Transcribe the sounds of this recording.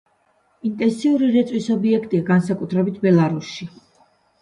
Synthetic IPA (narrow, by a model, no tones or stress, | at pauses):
int̪ʼɛnsiuɾiɾɛt̪sʼwisɔbiɛkʰt̪ʼiaɡansakʼut̪ʰɾɛbit̪ʰbɛlˠaɾusʃi